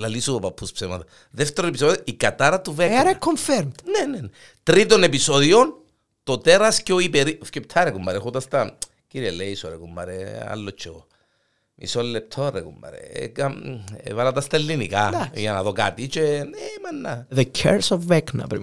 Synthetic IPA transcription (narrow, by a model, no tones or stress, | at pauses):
lalisupɐpʰːuspsemɐt̪ɐ | ðeft̪eɾonepisoðoikːɐt̪aɾɐt̪uveɾɐkʰːoɱfɛɾmt̪nenene | t̪ɾit̪onepisoðion | t̪ot̪eɾɐsceoipeɾifcept̪ʰɐɾekumːɐɾexut̪ɐst̪ɐ | ciɾieleiisoɾekumːɐ̰ɾea̰lːot͡ʃʰːeo | ḭsolːep̚t̪ʰorekumːɐ̰ɾḛka̰valɐt̪ɐst̪ɐelːinḭkaʝɐnɐðoka̰t̪it͡ʃenemanːɐðəcʰɛ̰ɾsovːɛknɐ̰pɾḭ